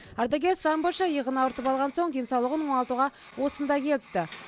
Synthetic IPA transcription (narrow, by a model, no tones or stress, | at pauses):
ɑɾd̪aɡʲeɾsɑmboʃɑjəʁənɑwəɾt̪əpɑlˠʁɑnso̞ɴd̪e̞nsɑwlˠəʁənwo̞nɑlˠt̪uʁɑ | wo̞sənd̪ɑkʲʰe̞lɪp̚t̪ɪ